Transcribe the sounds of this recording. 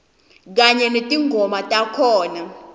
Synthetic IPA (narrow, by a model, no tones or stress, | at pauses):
k̬aɲɛnetʼiŋɡʱɔmatʼakʰɔːna